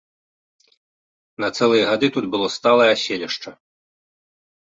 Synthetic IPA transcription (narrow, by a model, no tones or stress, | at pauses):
nɐt̪sɛlˠɨjɐɣad̪ɨt̪ud̪bɨlˠɔst̪alˠɐjɐsʲelʲiʂt͡ʂɐ